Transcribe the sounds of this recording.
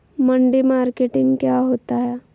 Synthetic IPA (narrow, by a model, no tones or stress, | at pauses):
mɐɳɖimaːɾkeːʈɪ̃ŋɡkjaːɦoːt̪aɦɛː